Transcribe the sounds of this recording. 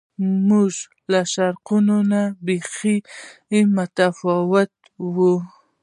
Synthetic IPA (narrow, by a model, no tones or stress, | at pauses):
muʒ | laʃaɾqunonabexi | mʊt̪afɑwʊt̪ | wu